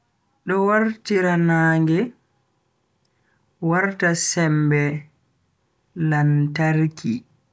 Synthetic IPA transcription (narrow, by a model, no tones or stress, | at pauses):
ɗɔwaɾtiɾanaːŋɡɛ | waɾtasɛmbɛ | lantaɾki